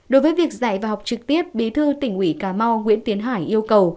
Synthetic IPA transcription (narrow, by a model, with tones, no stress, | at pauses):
ɗo˨˦jvəː˨˦jvi˨˩ək̚za̰ː˧˨jvaː˨˩ɦa˨˩wk͡p̚t͡ɕɨ˨˩k̚t̪i˦˥əp̚ɓi˨˦t̪ʰɨ˧t̪ï˧˩ŋ̟ʔwi˧˩kaː˧˩mɔ˧ŋwḭ˧˥ənt̪i˨˦ənɦaː˧˩jʔi˧əwkə˨˩w